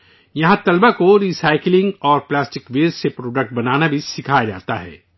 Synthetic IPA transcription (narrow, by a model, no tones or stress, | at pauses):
jɐɦãt̪ɐlbakoɾiːsaːɪklɪ̃ŋɡɔːɾplaːsʈɪkʋeːsepɾoːɖək̚ʈ̚bɐnaːnabʱisɪkʰaːjad͡ʒa̰ːt̪aɦɛ̰ː